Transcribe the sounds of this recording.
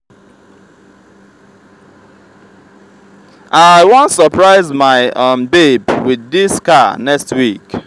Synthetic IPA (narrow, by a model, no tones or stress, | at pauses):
ʔaɪwɔ̃ntsəpɹaɪzmaɪʌmbebwiðːiskanɛkstwik